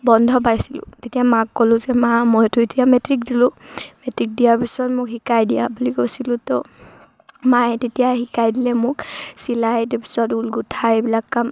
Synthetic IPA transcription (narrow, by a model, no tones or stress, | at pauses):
bɔndʱɔpajsilʊ̰̃zetijamakːɔlʊ̃zɛmamɔjtʊetijamɛtɹik̚dilʊmɛtɹik̚dijaɹpisɔtmʊkɦikajdija̰bulikojsilʊ̃tɔ | matetijahikajdilɛmʊksilajtɛpi̥sɔtulɡutʰaebilakːam